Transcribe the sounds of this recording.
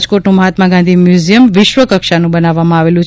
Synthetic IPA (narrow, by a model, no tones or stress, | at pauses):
d͡ʒkoʈnũməɦat̪maɡand̪ʱimjuzijəmʋɪʃʋəkəkʃanũbənaʋːamãaʋelũt͡ʃ